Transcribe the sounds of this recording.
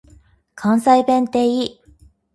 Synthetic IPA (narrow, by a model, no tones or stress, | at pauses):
kʰãɰ̃saibẽ̞nt̪e̞ːi